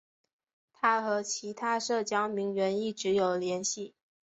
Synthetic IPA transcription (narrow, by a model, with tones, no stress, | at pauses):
t̪ʰa˥xɤ˧˥t͡ɕʰi˧˥t̪ʰa˥ʂɤ˥˩t͡ɕjɑ˥ŋmi˧˥ŋɥɛ˧˥ni˥˩ʈ͡ʂɻ̩˧˥jo˨˩ʊljɛ˧˥nɕi˥˩